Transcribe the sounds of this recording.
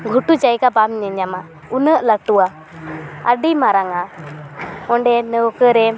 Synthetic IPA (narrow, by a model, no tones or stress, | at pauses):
ɡʱuʈut͡ʃajkabamɲɛɲama | unəʔləʈuwa | ə̰ɖimaɾaŋa | ɔɳɖɛnəwkəɾɛ